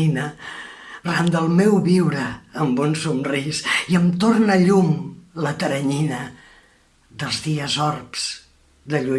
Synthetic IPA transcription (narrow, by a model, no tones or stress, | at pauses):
inə | rand̪əlˠmewβiwɾəːmbunsumrisiəmt̪ornəʎumlət̪əɾəɲinə | ðəlˠzðiəzɔrpz̥ | ðəʎu